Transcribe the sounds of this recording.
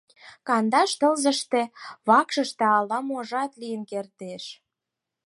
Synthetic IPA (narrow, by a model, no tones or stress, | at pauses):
kɑnd̪ɑʃt̪ə̆lzə̆ʃt̪ĕβɑkʃəʃt̪ĕɑlːɑmoʒɑt̪lijənkert̪eʃ